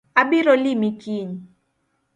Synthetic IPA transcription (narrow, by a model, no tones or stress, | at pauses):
aɓiɾɔlimikiɲ